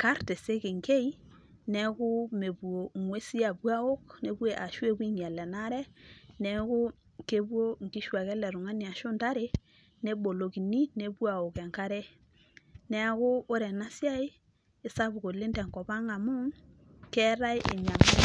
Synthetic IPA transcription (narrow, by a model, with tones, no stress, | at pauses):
ka˦ɾte˨se˦ke˨ŋke˦i˦ | nɛ˨kʊ˦me˨bwo˨ŋwe˦si˦a˨bwa˦o˦kne˨bwe˨ʔa˨ʃwe˦bwi˦ŋja˨lɛ˨na˦ɾɛ˦nɛ˨˦kʊ˦ | ke˦bwo˦ŋkɪ˦ʃwa˨kɛ˦lɛ˨ɾʊ˨ŋa˦ni˨a˨ʃʊ˦nta˦ɾe˦ | ne˦bo˨lo˨ki˨ni˦ne˨˦bwa˨o˨kɛ˨ŋka˦ɾe˦ | nɛ˨a˨kʊː˦ɾɛ˨na˦sja˦ɪ˦ | ɪ˨sa˦bʊ˨ko˨le˦ntɛ˨ŋkɔ˨pa˦ŋa˨mʊ˦ŋ | kɛ˦ɾa˦ɪ˦ʔḛ˨ɲa˨m˦